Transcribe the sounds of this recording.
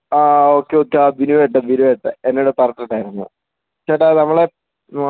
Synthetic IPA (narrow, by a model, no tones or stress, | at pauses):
aːo̞ːkːeoːkːeabinuʋeʈ̬ːɐbinuʋeʈːɐenːeoɽepɐrɐʈːiɳɖaːjiɾunːṵ | t͡ɕːaʈːanɐmːɐɭe